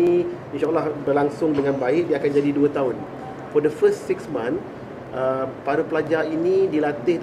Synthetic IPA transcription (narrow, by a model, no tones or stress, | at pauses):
iinʃaalahbərlaŋsʊŋdəŋãnbaɪk̚diəakand͡ʒadiduat̪aɦʊn | fɔdəfəstsiksmãn | ʔəpaɾupəlad͡ʒainidilat̪ɪhd